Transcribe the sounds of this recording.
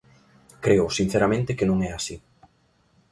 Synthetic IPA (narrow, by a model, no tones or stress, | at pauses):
kɾeʊsin̟θeɾamẽnt̪ɪkɪnõŋɛasi